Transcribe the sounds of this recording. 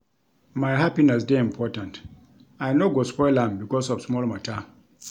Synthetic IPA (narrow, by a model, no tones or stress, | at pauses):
majɦapinɛs̬deĩmpʰɔtãnt | ajnoɡospɔjl̃mbikɔsɔfsmɔlmata